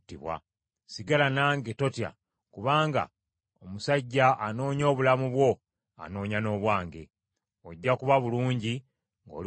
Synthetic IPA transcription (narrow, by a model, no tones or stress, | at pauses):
tiβwa̰ | siɡalanaːŋɡetotja̰ | kuβaːŋɡa̰ | omusaɟːaʔano̞ːɲo̞ːβulamuβwo̞ | a̰no̞ːɲano̞ːβwaːŋɡe̞̰ | oɟːakuβaβuluːɲɟi | ŋɡo̞̰l